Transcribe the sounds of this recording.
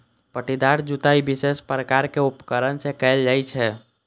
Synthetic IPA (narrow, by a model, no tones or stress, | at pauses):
pəʈid̪aɾd͡ʒut̪aibɪsespɾəkaɾkeʊpkəɾənsekɛld͡ʒaːit͡ʃʰɛ